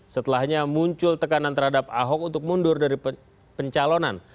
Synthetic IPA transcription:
sət̪əlahɲamuɲt͡ʃʊlt̪əkanant̪ərhadapa̰ɦɔk̚unt̪ʊk̚mundʊrdaɾi | pəɲt͡ʃalonan

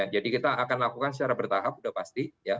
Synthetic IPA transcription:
ad͡ʒadikit̪aːkanlakukansə̥t͡ʃaɾabərt̪aɦap̚udahpast̪ija

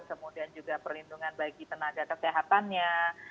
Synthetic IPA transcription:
kəmudiand͡ʒuɡapərlinduŋanbaɡip̪ənaɡakəseɦat̪anɲa

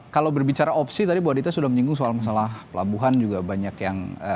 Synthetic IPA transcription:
kalawbərbit͡ʃaɾaʔɔpsit̪adibawat̚dit̪asudahməɲiŋɡʊŋsoalmasalahpəla̰buɦand͡ʒuɡabaɲakjaŋə

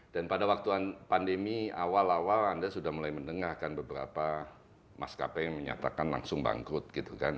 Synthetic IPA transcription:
d̥anpadawak̚t̪uanpandəmiawalawalandasudahmulajmənəŋahkanbəbəɾa̰pa | ma̰ska̰pɛjŋməɲa̰t̪akanla̰ŋsʊŋba̰ŋkʊt̪̚ɡit̪ukan

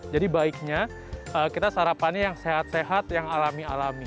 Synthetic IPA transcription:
d͡ʒadibaik̚ɲa | əːkit̪asaɾapanɲajaŋseɦat̪̚seɦat̪jaŋalamialami

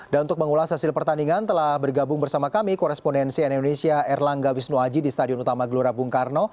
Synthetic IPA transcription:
danunt̪ʊk̚məŋulashasɪlpərt̪aniŋant̪əlahbərɡabʊŋbərsamakamikɔɾɛspondɛnsiɛnidonesiaʔɛrlaŋɡawisnuad͡ʒidist̪adiɔnut̪amaɡəluɾabuŋkarno

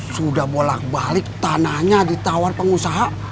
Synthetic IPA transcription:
sudahbola̰k̚balɪk̚t̪anahɲadit̪awarpəŋusaɦa

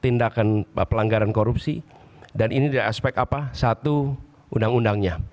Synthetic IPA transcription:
t̪indakanpəlaŋɡaɾankoɾupsi | danʔinidaɾaspɛk̚t̪apasat̪u | undaŋundaŋɲa

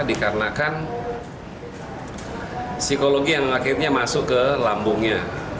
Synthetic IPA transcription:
dikaɾənakan | sikoloɡijaŋakit̪̚ɲamasʊkəlambʊŋɲa

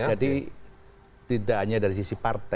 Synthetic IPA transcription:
d͡ʒadi | t̪idaʔɦaɲadaɾis̬isipart̪a

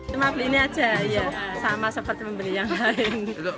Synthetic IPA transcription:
əmapliniat͡ʃaijasamasəpərt̪iməmbəlijaŋlaən

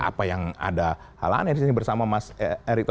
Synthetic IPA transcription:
a̰pajaŋa̰da | ha̰la̰a̰nadisinibərsamamaseɾik̚t̪

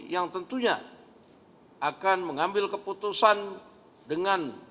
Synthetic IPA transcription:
jaŋt̪ənt̪uɲa̰ | ʔakanməŋambɪlkəput̪usan | dəŋan

